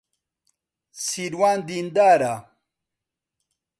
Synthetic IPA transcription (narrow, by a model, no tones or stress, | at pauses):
siɾwaːnd̪ind̪aːɾa